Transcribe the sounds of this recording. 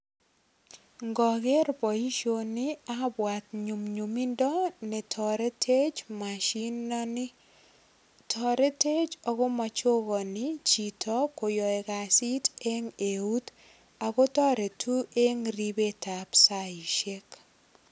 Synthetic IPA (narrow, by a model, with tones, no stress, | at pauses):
ŋɡɔ˨ɡe˦ɾpɔ˨i˦ʃo˦ni˦a˦bwa˨tɲu˨mɲu˨mi˦ndɔ˦ne˨tʰɔ˨ɾɛ˦tʰe˦t͡ʃmaʃi˦nɔnɪ˦ | tʰɔ˨ɾe˦te˦t͡ʃɔ˨ko˦ma˨t͡ʃo˦ɣɔ˨nit͡ʃi˨tʰɔ˦ko˨jɔ˨ɛ˨ka˨si˦te˦ŋe˨u˦t | a˨ko˦tɔ˦ɾe˨tʰu˦e˦ŋɾi˦be˦tapsa˦i˨ʃe˦k